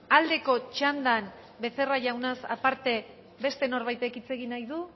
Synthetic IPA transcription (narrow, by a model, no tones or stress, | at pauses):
ald̪e̞ko̞t͡ʃand̪an | be̞θe̞raʝawnasa̰paɾt̪e̞ | βe̞st̪e̞no̞ɾβajt̪e̞kit͡se̞ɣinajðu